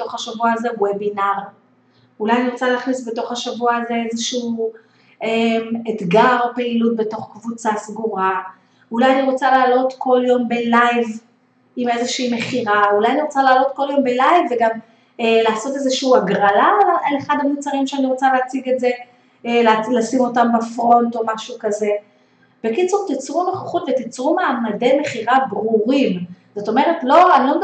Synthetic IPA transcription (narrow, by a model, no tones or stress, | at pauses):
eto̞χhaʃavuaːzewebinaʁ | ulajaniʁot͡saleaχnisbeto̞χhaʃavuaːze̞ezeʃuuː | emetɡaʁpeilut̚be̞to̞χkvut͡sasɡuʁa | ulajaniʁo̞t͡salaːlo̞tkʰo̞ljo̞mbe̞lajv | ime̞zeʃiːme̞χiʁaulajaniʁo̞t͡salaːlo̞tko̞ljo̞mbelajvːeɡam | elaːso̞te̞zeʃiuaɡʁalalleχad̪amut͡saʁimʃeaniʁo̞t͡saleat͡siɡe̞tze̞ | llasimo̞tambafʁo̞nto̞maʃukaze̞ | b̥e̞kit͡suʁt̪it͡sʁumeχoχutvet̪it͡sʁumaːmade̞me̞χiʁabʁuʁimz̥o̞to̞me̞ʁetlo̞anlom